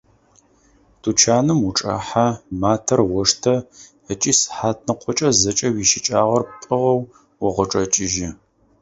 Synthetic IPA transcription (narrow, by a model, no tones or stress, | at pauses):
tʰut͡ʃʰaːnɨmuʈ͡ʂʼa̰ːħamaːtʰɐrwɔʂtʰɐ | ət͡ʃʼiːsħaːt̚ʰnɨqʷɔt͡ʃʼɐzɐt͡ʃʼɐwiːʃɪt͡ʃʼaːʁɐrpʼəʁɐw | wɔʁəʈ͡ʂʼɐt͡ʃʼɪʒɪ